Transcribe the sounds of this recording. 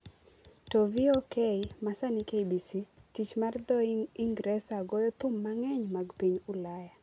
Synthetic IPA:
tɔviokeimasanikebisitit͡ʃmard̪ɔiŋɡɾɛsaɡɔjɔt̪ʊmːaŋɛɲmaɡpiɲʊlaja

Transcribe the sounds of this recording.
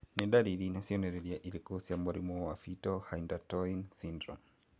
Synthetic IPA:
niɗaɾilinasiɔnɛɾɛliaʔilikuhusiamaɾimɔwafitɔhaindatɔinsindɾɔ̰m

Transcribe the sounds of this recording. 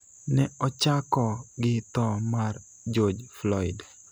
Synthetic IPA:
nɛɔt͡ʃakɔɡɪt̪ɔmar | d͡ʒɔd͡ʒflɔɪd

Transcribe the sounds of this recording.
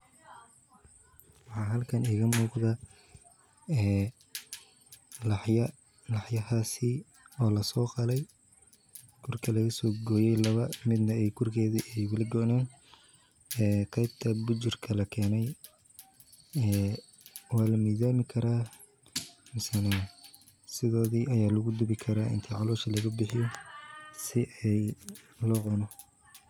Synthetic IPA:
wɑħɑːɦɐlkʰɐniːɣɐmuːqðɐ | ɛː | lɐħjɐ | lɑħjɐhaːsiɪ | ɔːlɐsɔːqɑlɛj | kʰʊrkʰɐlɐɣɐsɔːɡɔːjɛjlɐβɐmɪd̪nɐɛjɡʰʊrkʰɛːðɪʔɛjwʊlɐɡɔːnɛːn | ɛːqɛjb̚t̪ʰɐbʊt͡ʃɪrkʰɐlɐkʰɛːnɛj | ɛː | wɑːlɐmiːðaːmɪkʰɐɾaː | mɪsɐna | sɪðɔːðiːʔɐjaːlʊɣʊd̪ɪβɪkʰɐɾaːʔɪ̰nt̪ʰiʕɑlɔːʃɐlɐɣɐbɪħɪjɔ | sɪʔɛj | lɔːqʊnɔ

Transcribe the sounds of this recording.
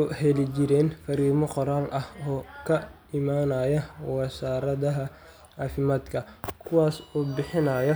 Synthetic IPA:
hɛlɪt͡ʃɪɾɛːnfɐɾiːmɔqɔɾaːlʔɐhɔːkʰɐ | ɪmaːnɐːjɐwɐsaːɾɐðɐɦɐ | aːfɪmaːd̪kʰɐkʰʊwaːsɔːbɪħɪnɐːjɐ

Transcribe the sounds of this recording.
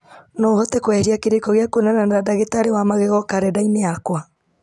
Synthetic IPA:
nɔhɔtɛkwɛhɾiakeɾekɔɣeakonɛnanɾadaɣetaɾewamaɣeɣɔkaɾɛdaineakwa

